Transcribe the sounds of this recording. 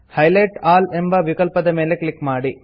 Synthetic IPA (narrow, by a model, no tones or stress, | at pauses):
hɐjlɐjʈaːlɛmbɐʋɪkɐɭpɐðɐmeːlekɭɪkːmaːɽi